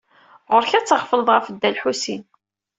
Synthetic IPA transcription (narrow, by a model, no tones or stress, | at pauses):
ʁʊɾçæt͡sːəʁfələðˤʁəfəd̪ːælħusin